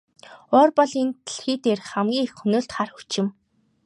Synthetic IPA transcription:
ɔːrpɔɮint̪ʰɮxiːt̪eːrχæmɡʲiːŋexxɵnoːɮt̪χarxu̥t͡ɕɪ̆m

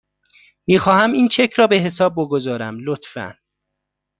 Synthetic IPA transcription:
miːxɒːhæmiːnt͡ʃʰecʰɾɒːbe̞ɦe̞sɒːb̚ːoɡozɒːɾæmlot̪fæ̰n

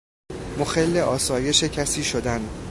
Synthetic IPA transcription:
moxelːeʔɒːsɒːje̞ʃe̞cʰæsiːʃod̪æn

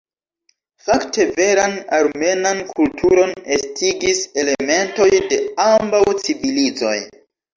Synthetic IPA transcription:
faktʰe̞ve̞ɾanaɾme̞nankʰultʰuɾo̞ne̞stʰiɡise̞le̞me̞nto̞jde̞ambawt͡sivilid͡zo̞̰j

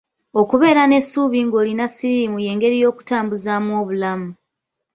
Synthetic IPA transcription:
o̞kuβe̞ːɾane̞suːβiŋɡo̞ːlinasiɾimuje̞ːŋɡe̞ɾijo̞ːku̥taːmbuzamwo̞ːβulamu

